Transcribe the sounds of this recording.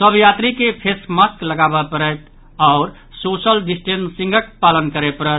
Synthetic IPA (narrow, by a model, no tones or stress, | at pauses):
səbʱjat̪ɾikepʰesməskləɡabəpəɾət̪ | ɔʊɾ | sosəlɖisʈensĩŋɡək̚palənkəɾɛpəɾɛt̪̚